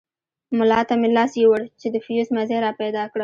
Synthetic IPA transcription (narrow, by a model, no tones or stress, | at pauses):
mʊlɑt̪amelɑsjewəɽt͡ʃed̪əfjusmazeɾɑpajd̪ɑkɽa